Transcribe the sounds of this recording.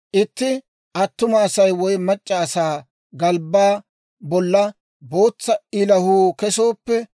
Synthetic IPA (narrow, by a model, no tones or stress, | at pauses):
ʔɪt̪ːɪ | ʔɐt̪ːʊmɐːsɐjwɔjmɐt͡ʃʼːɐːsaː | ɡɐlbaː | bɔlːɐ | bo̞ːt͡sːɐɪlɐhuːkɛso̞ːpːɛ